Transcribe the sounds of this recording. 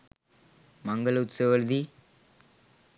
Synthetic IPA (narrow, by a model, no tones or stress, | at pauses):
mɐŋɡɐɭʊt̪sɐʋɐɾd̪i